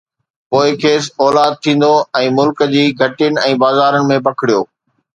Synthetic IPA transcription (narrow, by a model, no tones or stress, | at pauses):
poːɪkʰeːs̬ɔːlaːd̪̚t̪ʰĩːn̆d̪oɛ̃ːmʊlkəd͡ʑiːɡʱɐʈɪjənɪ̆ɛ̃ːbaːzaːɾəɽɪ̆mẽp̬ɐkʰɪɽijo̰ː